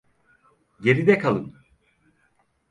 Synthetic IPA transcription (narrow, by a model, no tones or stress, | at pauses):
ɟe̞ɾid̪ɛkʰalˠɯn